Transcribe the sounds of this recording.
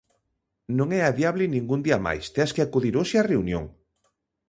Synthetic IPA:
nõŋɛaðjaβlɪnĩŋɡund̪iɐma̰jst̪easkeakuðiɾoʃeareunjõ̰ŋ

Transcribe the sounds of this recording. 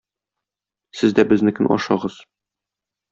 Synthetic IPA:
sɘzd̪æbɘ̆znɘkɵnʔɒ̰ʃɑʁɤz̥

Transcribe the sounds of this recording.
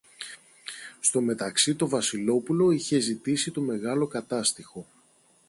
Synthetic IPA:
st̪o̞me̞t̪ɐksit̪o̞vɐsilo̞pulo̞içe̞zit̪isit̪o̞me̞ɣɐlo̞kɐt̪ɐst̪ixo̞

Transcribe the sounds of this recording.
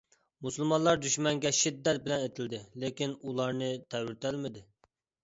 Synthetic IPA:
musulˠmɑnlˠɑɾd̪yʃmɛŋɡʲɛʃid̪ːɛt̪̚bɪlɛnet̪ʰɪld̪ɪlekʲinulˠɑɾnɨt̪ʰɛwɪɾt̪ʰælmɪd̪ɪ

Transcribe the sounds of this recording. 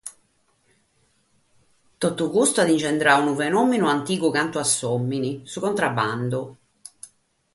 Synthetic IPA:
t̪ot̪ːukust̪ad̪int͡ʃɛnd̪ɾaunufenɔmːinʊant̪iːkʊkant̪uasːɔmːinisukont̪ɾabːand̪ʊ

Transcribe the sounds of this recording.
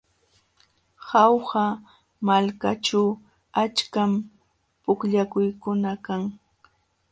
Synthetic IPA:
hɑwha | malkaʈ͡ʂaw | at͡ʃkam | pʊkʎakʊjkʊnakaŋ

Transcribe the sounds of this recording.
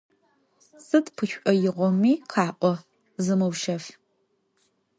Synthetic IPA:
sɨtpʰɨʃʷʼɔjɪʁʷɔmiːqʰɑːʔʷɔ | zɨmɨwʃɐf

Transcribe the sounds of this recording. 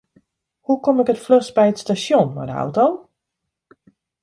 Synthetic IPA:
hukɔmɪkətfløsbɛjətstasjɔnʋa̰dəɔ̰wtow

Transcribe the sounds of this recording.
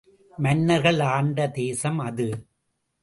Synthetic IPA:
mɐnːɐɾɣɐɭaːɳɖɐd̪eːsɐmɐðɯ

